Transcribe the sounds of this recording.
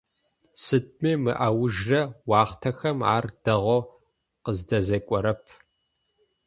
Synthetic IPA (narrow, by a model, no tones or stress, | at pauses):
sɨd̚ʼmeːmɨʔawʊʒrɐwɑːχtʰɐxɐma̰ːrd̥ɐʁʷo | qəzdɐzɐkʷʼɔɾɐpʰ